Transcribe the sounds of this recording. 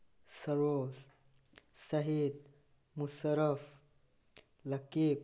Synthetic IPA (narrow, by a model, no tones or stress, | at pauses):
sɐɾoːs | sɐɦiːd̪̚ | musəɾəf | lɐkiːp̚